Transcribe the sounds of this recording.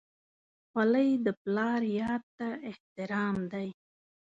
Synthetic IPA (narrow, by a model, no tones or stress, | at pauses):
xwaləjd̪əplɑɾjɑt̪ːaʔɪht̪ɪɾɑmd̪aj